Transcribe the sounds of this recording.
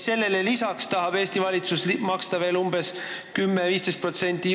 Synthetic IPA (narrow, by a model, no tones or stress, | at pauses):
se̞lːe̞le̞lisɑkst̪ɑɦɑb̥e̞ːst̪ivɑlʲit̪suslmɑkst̪ɑve̞ːlumbe̞s | kymːeviːst̪est̪pro̞t̪se̞nʲt̪ˑːi